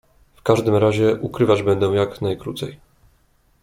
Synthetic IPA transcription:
fkaʐd̪ɘmɾaʑɛʔukɾɘvad͡ʑbɛnd̪ɛw̃jaknajkɾut̪sɛj

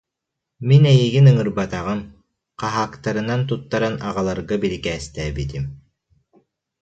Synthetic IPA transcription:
minɛjiɡinɯŋɯɾbat̪aʁɯm | qaɦaːkt̪aɾɯnant̪̬ut̪ːaɾanaʁalˠaɾɡabilikɛːst̪ɛːbit̪im

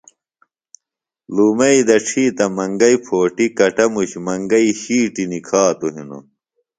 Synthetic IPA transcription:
luːmɐid̪ɐʈ͡ʂʰiːt̪ɐmɐŋɡɐipʰoːʈikɐʈɐmuɕmɐŋɡɐiɕiːʈinikʰaːt̪uɦino̰

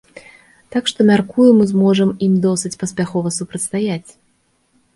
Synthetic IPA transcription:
t̪akʂt̪ɔmʲarkujumɨzmɔʐɐmimd̪ɔsɨt͡sʲpɐsʲpʲaxɔvɐsupɾɐt̪st̪ajat͡sʲ

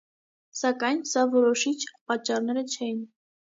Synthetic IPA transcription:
sɑkɑjnsɑvɔɾɔʃit͡ʃʰpɑt͡ʃːɑrnɛɾət͡ʃʰɛjin

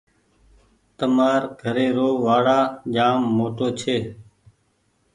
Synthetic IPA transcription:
t̪əmaːɾɡʱəɾeːɾoːʋaːɽaːd͡ʒaːmːoːʈoːt͡ʃʰeː

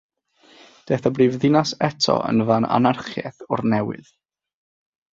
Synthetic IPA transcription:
d̥eːθabriːvðɪnasɛtʰɔ̰ʔə̰nvana̰narχjɛ̰θʊrnɛwɪ̰ð

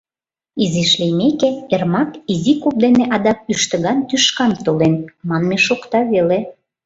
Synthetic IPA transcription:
iziʃlijmekeermɑkizikup̚d̪eneʔɑd̪ɑk̚yʃt̪ə̆ɣɑnt̪yʃkɑnt̪olenmɑnmeʃokt̪ɑβele

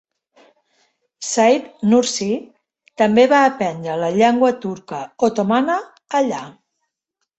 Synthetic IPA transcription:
sajt̪nuɾsi | t̪əmbeβaːpɛnd̪ɾələʎɛŋɡwət̪uɾkəot̪omanəː | ʎa

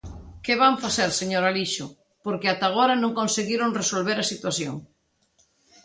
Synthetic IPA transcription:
keβaɱfaθeɾseɲoɾaliʃʊ | poɾkeat̪aɣ̞oɾanõŋkonseɣiɾoŋresolβeɾasit̪waθjo̰ŋ

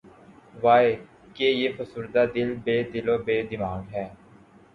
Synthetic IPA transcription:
ʋaːe | keːjeːfʰəsuːɾd̪aːd̪ɪlbeːd̪ɪloːbeːd̪ɪmaːɡɦɛː

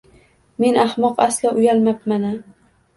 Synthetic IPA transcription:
me̞nahmɒqaslaʔʊjalmapmana

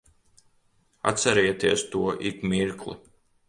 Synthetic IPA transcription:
a̰t̪saɾɛjt̪iɛst̪uɔʔikmiɾklˠṵ

